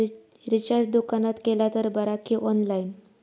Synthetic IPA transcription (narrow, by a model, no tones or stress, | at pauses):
ɾit͡ɕaɾd͡ʑd̪ukanat̪kelat̪əɾbəɾakʰiʔɔnlain